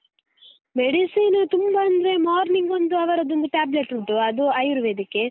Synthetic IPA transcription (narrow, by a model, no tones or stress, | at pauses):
meɽisiːnɐt̪umbɐɐnd̪ɐɾe̞maːɾniŋɡond̪uɐʋɐɾɐd̪ond̪uʈaːbleʈuʈːuɐd̪uɐjɾuʋed̪ikːe